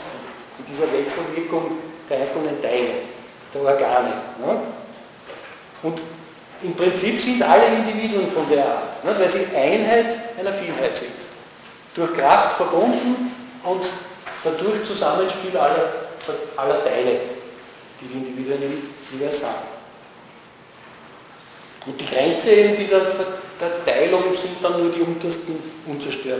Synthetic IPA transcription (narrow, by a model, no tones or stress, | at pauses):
nd̥iːzɐvɛksl̩vɪɐkʊŋd̥eɐɛɪnskondɛntʰæɪlə̰ | d̥eːɐɔɐɡaːnə̰nə | ʊ̃nt | ɪmpʁɪnt͡sipsɪndʔaləɪ̃ndiviːdʊənfɔndeːɐa̰ːɐtnɛtvɛlsiʔæɪnɦæɪtʔɛɪnɐfiːlɦæɪtsɪ̃nt | d̥ʊɐxkʁaftfɛɐb̥ʊ̃ndn̩ʊntd̥ad̥ʊɐçt͡suzamənʃpiːlalɐfɛʔalːɐtʰæɪlə | d̥iːdiindiviːduənɪçjeːvæɪlsha̰ːbm̩ | ʔʊnt̚d̥iɡ̥ʁɛnt͡səeːbm̩diːzɐfɛd̥ɛɐtæɪlʊŋsɪnt̚danːuːɐdiʊ̃ntɐstn̩ʔʊ̃nt͡səɐʃtøːɐ